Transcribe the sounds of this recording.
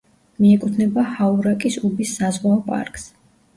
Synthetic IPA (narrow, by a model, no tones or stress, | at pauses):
miɛkʼut̪ʰnɛbahauɾakʼisubisːazʁwaɔpʼa̰ɾkʼs